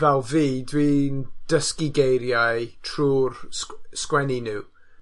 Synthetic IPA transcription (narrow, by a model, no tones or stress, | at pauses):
vɛlˠviːdwiːnd̥əskɪɡejɾjaɨtʰruːrsskwɛninɨw